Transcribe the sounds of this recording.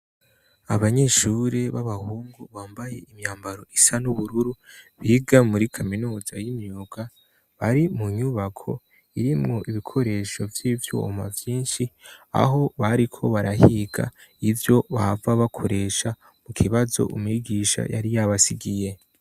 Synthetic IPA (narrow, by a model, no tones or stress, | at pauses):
aβaɲe̞ʃuɾeβaβahuːŋɡuβaːmbaje̞ʔimɲaːmbaɾo̞ʔisanuβuɾuɾuβiːɡamuɾikʰaminuːzajimjuːɡ̥a | βaɾimuɲuβakʰo̞̰ | iɾimŋo̞ʔiβikʰo̞ɾe̞ːʃo̞vjiːvjo̰ːmavjiːnʃia̰ɦo̞βaɾikʰo̞βaɾahiɡa̰ivjo̞βavaβakʰo̞ɾe̞ʃa | mukʰiβazo̞̰ʔumŋiɡiːʃa̰ja̰ɾijaβasiɡije̞